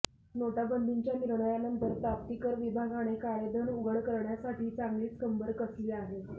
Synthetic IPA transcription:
noʈabənd̪iɲt͡ɕjaniɾɳəjanənt̪əɾp̪ɾap̚t̪ikəɾʋibʱaɡaɽ̃ekaɾed̪ʱəɳuɡəɭkəɾɳjasaʈiːt͡saŋɡliːt͡skəmbʱəɾkəsliːaɦe

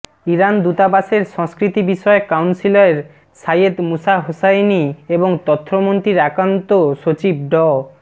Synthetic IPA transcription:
iɾand̪ut̪abaseɾʃɔŋskɾit̪ibiʃɔekawnsiloeɾ | sajed̪musaɦosajnieboŋt̪ɔt̪ʰːɾomont̪ɾiɾakɾant̪oʃot͡ɕib̚ɖɔ

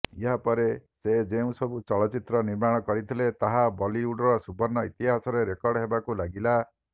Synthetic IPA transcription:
iɦapɔɾesed͡ʒeũsɔbut͡ʃɔɭɔt͡ʃit̪ɾɔniɾmaɽ̃ɔkɔɾit̪ʰilet̪aɦabɔliuɖɾɔsubɔɾnːɔit̪iɦasɔɾeɾekɔɾɖɦebakulaɡila

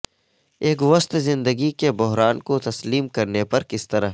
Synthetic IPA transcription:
eːkʋɐst̪zɪ̃nd̪əɡikebʊɦɾaːnkot̪ɐsliːmkɐɾnepɐɾkɪst̪ɐɾaɦ

